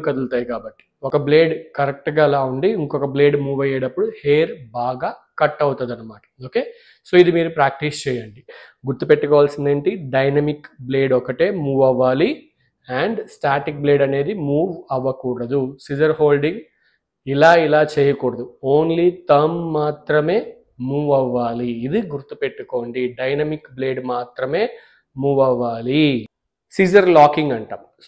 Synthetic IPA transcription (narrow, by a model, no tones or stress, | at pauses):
kɐd̪ult̪aːjkaːbɐʈːi̥ɔkɐble̞ːɖkɐɾek̚ʈɡaːlaːuɳɖiiŋkɔkɐble̞ːɖmuːʋɐjːeːɽɐpːuɽuheːɾbaːɡaː | kɐʈːɐwt̪ɐd̪ɐnːɐmaːʈɐ̥oːke̞ː | so̞ːid̪imiːɾupɾaːk̚ʈist͡ʃɛːjɐɳɖiɡuɾt̪ːupeʈːukɔːʋaːlsind̪ɐɳʈiɖɐjnɐmikble̞ːɖɔkɐʈe̞ːmuːʋɐʋaːli | ɐɳɖsʈaːʈik̚bleːɖɐne̞ːd̪imuːʋɐʋɐkuːɽɐd̪usiːd͡ʒɐɾɦoːlɖiŋɡ | ilaːilaːt͡ʃeːjɐkuːɽɐd̪uoːnlit̪ɐmːaːt̪ɾɐme̞ː | muːʋɐʋːaːliːd̪iɡuɾt̪ːupeʈːuko̞ːɳɖiɖɐjnɐmikbleːɖmaːt̪ɾɐme̞ː | muːʋɐʋːaːli | siːd͡ʒɐɾlaːkiŋɡɐɳʈa̰ːm